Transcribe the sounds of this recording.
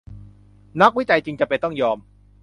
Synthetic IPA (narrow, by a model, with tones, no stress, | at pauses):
na˦˥k̚wi˦˥t͡ɕa˧jt͡ɕi˧ŋt͡ɕa˨˩pe˧jt̪ɔ˥˩ŋjɔː˧m